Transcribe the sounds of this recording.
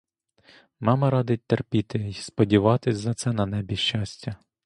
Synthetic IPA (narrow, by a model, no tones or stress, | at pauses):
mɑmɐɾɑd̪ɪt̚ʲt̪erpʲit̪ɪispɔdʲiʋɑt̪ɪsʲzɐt̪sɛnɐnɛbʲiʃt͡ʃɑsʲtʲɐ